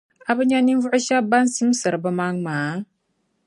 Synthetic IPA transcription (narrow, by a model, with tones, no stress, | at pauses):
a˨bɨ˦ɲa˦ni˦vu˦ʔɨ˦ʃa˦ba˦n̩˦si˦m˦sɨ˨ɾɨ˨bə˦ma˦ŋmaː˨˦